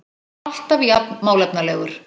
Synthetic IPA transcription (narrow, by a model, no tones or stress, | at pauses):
al̥t̪avjapnmaːwlɛpnalɛːɣʏɾ̥